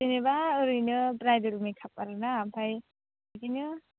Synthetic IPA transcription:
enebaɯɾɯjnɯpɾajdɯɾumikʰapaɾɯnaːpʰaj | ɯkinɯ

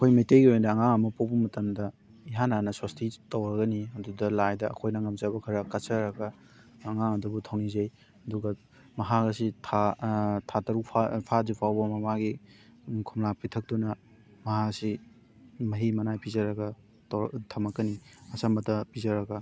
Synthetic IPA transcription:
ɐkʰojmejtejɡiojnɐːŋaŋɐmɐpawbɐmɐtɐmdɐ | iɦananɐswastitɐwɾɐɡɐniɐdudɐlajdɐ̰ːkʰojnɐŋɐmzabɐkʰɐɾɐkɐsɐɾɐɡɐː | ŋaŋɐdubutʰawnizej | ɐduɡɐ | mɐɦaɡɐsitʰatʰatɐɾukpʰapʰadipʰawbɐmɐmaɡi | kʰumlapʰitʰɐk̚tunɐ | mɐɦasi | mɐɦimɐnajpʰizɐɾɐɡɐ | tʰɐmɐkɡɐniɐsɐmɐtʰɐpizɐɾɐɡɐ

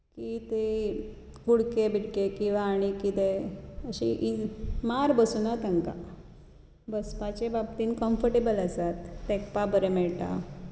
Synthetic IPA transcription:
kit̪e | kuɽkebʱiʈkekĩʋaːɽ̃ikit̪eəɕḭʔimaɾbəsunat̪ə̃ŋka̰ | bəspat͡ɕebabt̪iːnkɔmfəɾʈebələsat̪ːekpabəɾemɛɭʈa̰

